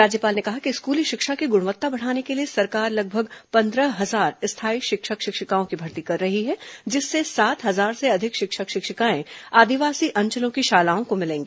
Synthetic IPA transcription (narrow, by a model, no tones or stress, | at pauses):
ɾaːd͡ʒjəpaːlnekɐɦakiɪskuːliʃɪkʃakiɡʊɽ̃ʋət̪ːabɐɽ̤aːnekeliesɐɾkaːɾlɐɡ̚bʱəɡpɐ̃nd̪ɾəɦɐzaːɾɪst̪ʰaːiʃɪkʃəkʃɪkʃɪkaːõkibʱɐɾt̪ikɐɾːɐɦiɦɛd͡ʒɪsːesaːt̪ɦɐzaːɾseɐd̪ʱɪkʃɪkʃəkʃɪkʃəkaːẽaːd̪iʋaːsiʔɐ̃ɲt͡ʃəlõkiʃaːlaːõkomɪlẽːŋɡeː